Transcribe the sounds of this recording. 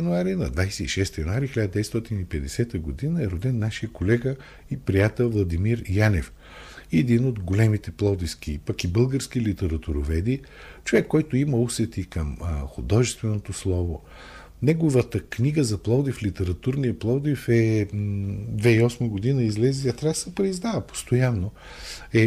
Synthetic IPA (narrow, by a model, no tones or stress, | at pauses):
ɐnuaɾinɐ̰d̪vajsɛiʃɛst̪jɐnuaɾixilʲad̪əd̪ɛst̪ɔt̪inipɛd̪ɛsɛt̪əɡod̪inəɛɾod̪ɛnːaʃijəkolɛɡə | ipɾijat̪ɛlˠvlˠɐd̪imiɾjanɛf | iɛd̪inod̪ɡolɛmit̪ɛplˠɔd̪isk̟ipɐkibɤlˠɡəɾskilit̪ɛɾɐt̪uɾovɛd̪i | t͡ʃovɛkːɔjt̪ʊiməusɛt̪ikəmxʊd̪ɔʒɛst̪vɛnot̪oslˠɔvo | nɛɡovət̪əkniɡəzɐplˠɔd̪iflit̪ɛɾɐt̪uɾnijəplˠɔd̪ifɛ | d̪vɛiɔsməɡod̪inəizlɛziɐt̪ɾasəpɾɛizd̪avəpo̥st̪ojanːo | ɛ